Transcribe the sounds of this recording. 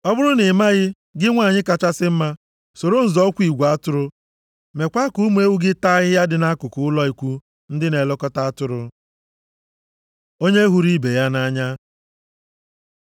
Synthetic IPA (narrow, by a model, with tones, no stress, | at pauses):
ɔ˦bʊ˦ɾʊ˦nɪ˨ma˦ɣɪ˦ | ɡɪ˦ŋʷa˦˨ɲɪ˦ka˨t͡ʃa˦sɪ˦m̩˦ma˦ | so˨ɾo˦n̩˨zɔ˦kʷi˨ɡʷa˦tʊ˦ɾʊ˦ | me˨kʷa˦ku˦mu˦e˦wu˦ɡɪ˦ta˦ɣɪ˦ja˦dɪ˨na˦kʊ˨kʊ˦ʊ˦lɔ˦i˨kʷu˦ | n̩˦dɪ˦ne˨lɔ˦kɔ˦ta˦a˦tʊ˦ɾʊ˦ | o˦ɲe˦ɦu˦ɾi˦be˨ja˦na˦ɲa˦